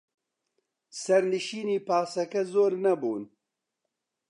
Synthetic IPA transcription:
sɐɾnɨʃiːniːpaːsɐkɛzoːɾnɐbuːn

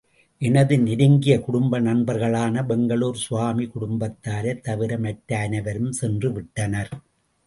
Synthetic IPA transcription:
ʔɛnɐðɯnɪɾɪŋɡɪjɐkʊɽʊmbɐnɐnbɐɾɣɐɭaːnɐbɛŋɡɐɭuːɾsʊʋaːmikʊɽʊmbɐt̪ːaːɾɐt̪ːɐʋɪɾɐmɐʈɾɐːnɐʋɐɾɯmsɛndrɯʋɪʈːɐnɐɾ

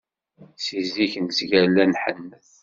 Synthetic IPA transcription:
siziçnsʝælænħənːθ

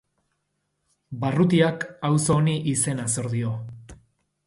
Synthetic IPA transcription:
barut̪̬iakawso̞ːniʔise̞naso̞ɾðio̞

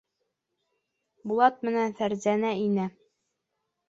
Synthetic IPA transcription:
bulˠɑt̪̚mɘ̆nænfæɾzænæinæ

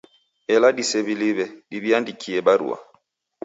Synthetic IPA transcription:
ɛladisɛβiliβɛdiβiandikʰiɛbaɾṵwa̰

